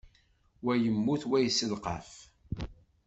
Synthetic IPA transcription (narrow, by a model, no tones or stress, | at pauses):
wæjəmːuθwæjsəlqɑ̰f